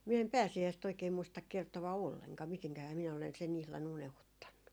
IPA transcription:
min em pæːsiæist oikeː muistɑk kertoʋɑ olːeŋkɑː miteŋkæhæː minæ olen sen ihlɑn unehutːɑnːu

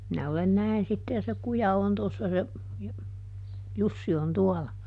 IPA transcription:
minæ olen næin sitːe jɑ se kujɑ on tosːɑ se jɑ jusːi on tuɔlɑ

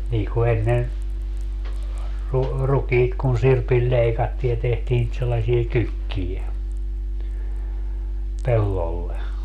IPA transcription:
niː ku enːen ru rukiːt kun sirpil lʲeikɑtːiː jɑ tehtiː nit selːɑsie kykːije pelːolːe

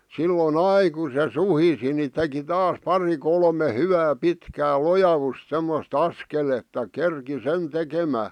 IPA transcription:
silːon ɑi ku se suhisi ni teki tɑːs pɑri kolme hyʋæː pitkæː lojɑʋust̆ semːost ɑskeletːɑ kerki sen tekemæː

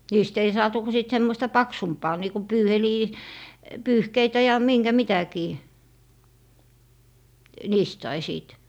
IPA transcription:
niːst ei sɑːtu ku siˑt semːoĭstɑ pɑksumpɑː niːku pyːheliː pyːhkeitæ jɑ miŋɡ̊æ mitækiː niːst sɑi siˑt

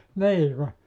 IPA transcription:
niː ku

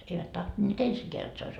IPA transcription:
eiʋæt tohtonʲeːt ensikeæ jot se ois

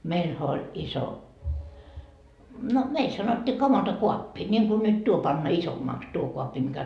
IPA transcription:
meilhæ olʲ iso no meil sɑnotʲːiː kɑmɑntokuɑpːi nʲiŋku nyt tuo pɑnːɑ isomːɑks tuo koɑpːi mikæ

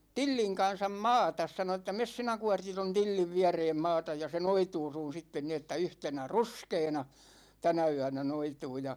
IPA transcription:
tilːiŋ kɑnsɑm mɑːtɑs sɑno ĕtːæ mes sinæ kuɒrti ton tilːiʋ ʋiæreːm mɑːtɑj jɑ se noituː sun̞ sitːen ni etːæ yhtenæ ruskeːnɑ tænæ yænæ noituː jɑ

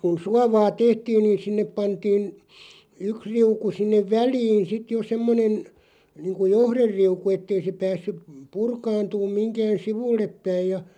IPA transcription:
kun suɑʋɑː tehtiːn niːn sinːep pɑntiːn yks riuku sinːeʋ ʋæliːn sit jo semːonen niːŋku johrerːiuku etːei se pæːsːyp p purkɑːntuːm miŋkæːn̞ siʋulːepːæij jɑ

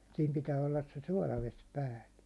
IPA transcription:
siːm pitæː olːɑs se suɒlɑʋes pæːlːæ

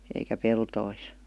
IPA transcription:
eikæ peltois

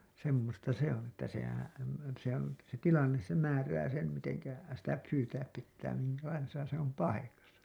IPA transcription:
semːostɑ se on etːæ sehæn̞ se on se tilɑnːes se mæːræː sem miteŋkæ sitæ pyːtæːp pitːæː miŋkælɑisesɑ se om pɑikɑsɑ

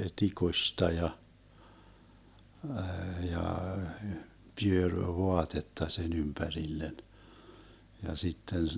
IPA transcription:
tikustɑ jɑ jɑ pyørʲ ʋoɑtetːɑ sen ympærilːen jɑ sitːen

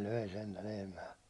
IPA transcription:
løi sentæ lehmæː

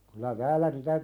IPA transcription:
kylæ tæːlæ nitæ

